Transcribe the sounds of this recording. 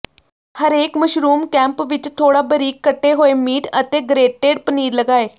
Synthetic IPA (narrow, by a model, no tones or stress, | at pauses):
həɾeːkməʃɾuːmkɛ̃mpʋɪt͡ʃt̪ʰoːɽabəɾiːkːəʈːeɦoːemiːʈət̪eɡɾeːʈːeːɽpəniːɾləɡaːe